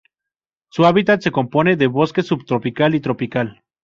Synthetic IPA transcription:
suaβit̪at̪se̞ko̞mpo̞ne̞ðeβo̞ske̞suβt̪ɾopikalit̪ɾo̞pikal

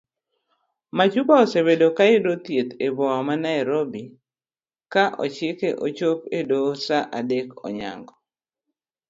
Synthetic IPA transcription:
mat͡ʃubaɔsebedokaedot̪jet̪ebɔamanajɾobi | kaʔɔ̰t͡ʃɪkeʔot͡ʃopedosaʔadekɔ̰ɲa̰ŋɡɔ

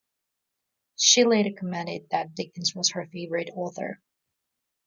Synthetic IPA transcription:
ʃileɪɾə˞kʰəmɛ̃ɾɨd̪̚ðɨt̚d̥ɪkɨ̃n̩zwʌz̥hə˞feɪvəɹɨɾɔɹθə̰˞

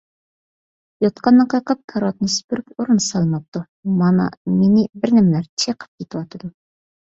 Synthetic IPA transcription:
jɑt̪qʰɑnːɑqʰɑjqəp̚kʰɑɾɑt̪nɨsy̥pyɾypoɾɨnsɑlˠmɑp̚t̪u | mɑnɑ̰menɪbɪɾnæmlæɾt͡ʃʰeqʰə̥p̚kʲʰet̪ɪwɑt̪ʰɨd̪u

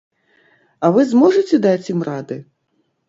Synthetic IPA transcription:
ɐvɨzmɔʐɨt͡sʲɛd̪at͡sʲjimrad̪ɨ

